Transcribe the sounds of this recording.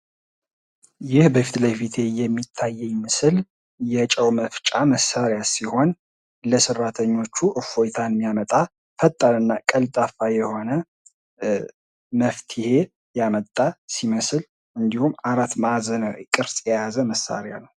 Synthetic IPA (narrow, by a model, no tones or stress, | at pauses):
jɪhbəfit̪lajfit̪ʰe̞jɛmːit̪ʰːajːɛjmɨsɨl | jɛt͡ʃʼəwməft͡ʃʼaməsaɾjasiho̞n | ləsɨrːat̪ʰəɲːo̞t͡ʃːuʔɨfo̞jt̪ʰanmːijamət̪ʼa | fət̪ʼːaɾɨnːakʼəlt̪ʼafajɛho̞nə | məft̪ʰɪhe̞ | jamət̪ʼːasiməsl | ɨnd̪ihumːaɾat̪mazənəwkʼɨɾsʼjɛjazəməsːa̰ɾja̰nəw